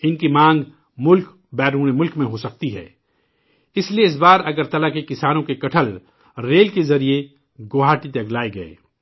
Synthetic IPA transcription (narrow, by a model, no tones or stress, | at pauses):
ɪnkimãːŋɡ | mʊlk | bɛːɾuːñemʊlkmẽɦosɐk̚t̪iɦɛ̰ː | ɪslieɪs̬baːɾɐɡəɾt̪ɐlakekɪsaːnõkekɐʈʰəl | ɾeːlkezɐɾie | ɡoːɦaːʈit̪ɐɡlaːeɡɐḛː